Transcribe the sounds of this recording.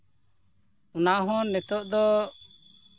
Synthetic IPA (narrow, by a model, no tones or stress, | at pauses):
unaɦɔ̃nɛt̪ɔʔd̪ɔ